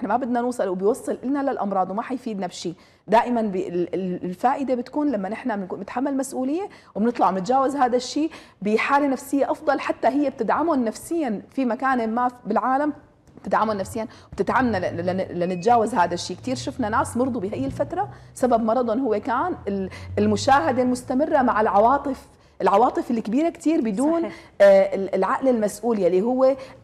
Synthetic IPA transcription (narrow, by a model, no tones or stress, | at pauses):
ɪħnamabɪd̪nanuːsˤɨlwɪbɪjwɑsˤːɨlʔɪlnalalʔɑmɾˤɑːd̪ˤwmaħajfiːd̪nabʃiː | d̪aːʔɪmanbɪɪlfaːʔɪd̪ebɪt̪kuːnlamːanʔɪħnanɪt̪ħamːalmasʔuːlɪjːewbnɨt̪ˤlɑʕnɪt̪d͡ʒaːwazɦaːd̪aʃːiː | bɪħaːlenafsɪjːeʔɑfd̪ˤɑlħat̪ːaɦɪjːeb̚t̪ɪd̪ʕamʊnːafsɪjːanfimakaːnmabɪlʕaːlam | bt̪ɪd̪ʕamʊnːafsɪjːan | b̥t̪ɪd̪ʕamnalɪnɪt̪d͡ʒaːwazhaːd̪aʃːiːkt̪iːɾʃʊfnanaːsmɑɾˤd̪ˤubɪhajːɪlfat̪ɾˤɑsababmɑɾˤɑd̪ˤʊnhʊwːekaːnɪlɪlmʊʃaːɦad̪almʊst̪amɪrːamaʕɪlʕɑwɑːt̪ˤɨf | ʔɪlʕɑwɑːt̪ˤɨfɪlːkbiːɾakt̪iːɾbɪd̪uːn | ɪlʕaʔlɪlmasʔuːljalːiɦʊwːe